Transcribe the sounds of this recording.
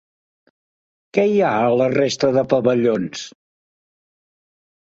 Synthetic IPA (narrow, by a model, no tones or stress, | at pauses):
kɛiaələrest̪əðəpəβəʎons